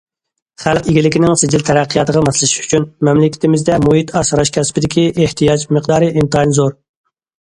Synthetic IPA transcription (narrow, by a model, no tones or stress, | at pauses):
χælˠqiɡʲilɪkʲinɪŋsɪd͡ʒɪlt̪ʰɛɾæqʰːəjɑt̪əʁɑmɑslˠɪʃy̥t͡ʃʰynmɛmlɪkʲi̥t̪ʰɪmɪzd̪ɛmuɦit̪ʰɑsɾɑʃkʲʰɛspɪd̪ɪkʲiʔeht̪ʰijɑd͡ʒməqd̪ɑːɾɨʔimt̪ʰɑinzoɾ